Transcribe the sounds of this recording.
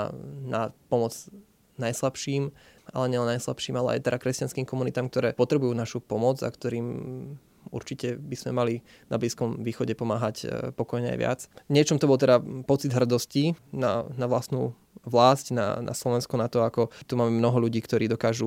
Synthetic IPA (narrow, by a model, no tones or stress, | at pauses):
na̰pɔmɔd͡z | najslapʃiːma̰lɛɲɛlɛnajsla̰pʃiːmalɛ̰a̰jt̪ɛɾakɾɛscanskiːmkɔmunit̪aːmk̚t̪ɔɾɛːpɔt̪ɾɛbujuːnaʃupɔmɔd͡za̰kt̪ɔɾiːm | ṵɾt͡ʃicɛbiz̥mɛmali | na̰bliːskɔmʋiːxɔɟɛpɔmaːɦacpɔkɔjɲɛa̰jʋɪa̰t͡sɲɪɛt͡ʃɔmt̪ɔbɔlt̪̬ɛd̪apɔt͡sid̪ɦr̩d̪ɔscina̰naʋlasnṵː | ʋlaːscna̰na̰slɔʋɛnskunat̪ɔakɔt̪umaːmɛmnɔɦɔʎuɟiːkt̪ɔɾiːd̪ɔkaːʒu